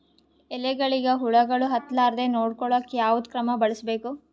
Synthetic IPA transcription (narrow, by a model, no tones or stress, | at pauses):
ɛlɛɡɐɭiɡɐɦuɭɐɡɐɭuɦɐt̪laːɾd̪enoːɽkɔɭokːejaːʋud̪kɾɐmɐbɐɭisbe̞ːku